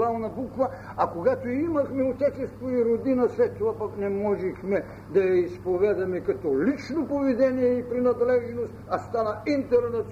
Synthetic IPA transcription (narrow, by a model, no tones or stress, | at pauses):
ɾalˠnɐbukvɐ | akoɡat̪oiimɐxmɛot̪ɛt͡ʃɛst̪voiɾod̪inɐslɛt̪ːovapaknɛmɔʒɛxmɛ | d̪ɐjaispovɛd̪ɐmɛkɐt̪ɔlit͡ʃnopovid̪ɛnijɛipɾinɐd̪lɛʒɛnost̪ast̪anɐint̪ɛɾnɐt̪